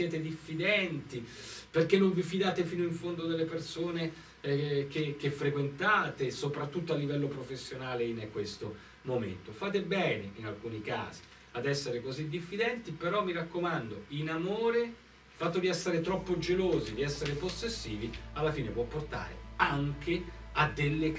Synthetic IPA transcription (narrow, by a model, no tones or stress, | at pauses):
sjɛːt̪ed̪ifːid̪ɛnt̪iperkːenːoɱvifid̪aːt̪efiːnoiɱfond̪od̪elːepersoːne | k̟ek̟efːɾekwent̪aːt̪esopɾat̪ːut̪ːoalːivɛlːopɾofesːjonaːleinkwest̪o | momḛnt̪ofaːt̪̬ebɛːneinalkuːnika̰ːzi̥ | ad̪ɛsːeɾekozid̪ifːid̪ɛnt̪ipeɾɔmːiɾakːomand̪oinamoːɾe | lfat̪ːod̪iɛsːeɾet̪ɾɔpːod͡ʒeloːzid̪iɛsːeɾeposːesːiːvialːafiːnepwɔpːort̪a̰ːɾḛaŋke | ad̪elːe